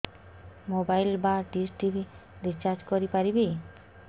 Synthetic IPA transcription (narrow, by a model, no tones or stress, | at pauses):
mobajlbaʈisʈibʱiɾit͡ʃaɾd͡ʒkɔɾipaɾibi